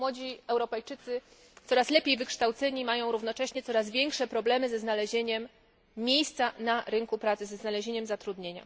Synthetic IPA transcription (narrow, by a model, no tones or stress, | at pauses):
wɔd͡ʑiɛwɾɔpɛjt͡ʂɘt̪sɘ | t̪sɔɾaslɛpʲjejvɘkʂt̪awt̪sɛɲimajɔ̃w̃ɾuvnɔt͡ʂɛɕɲɛt̪sɔɾazvʲjeŋkʂɛpɾɔblɛmɘzɛznalɛʑeɲɛmːʲ | jejst̪sanaɾɘŋkupɾat̪sɘzɛznalɛʑeɲɛmzat̪ɾud̪ɲeɲa̰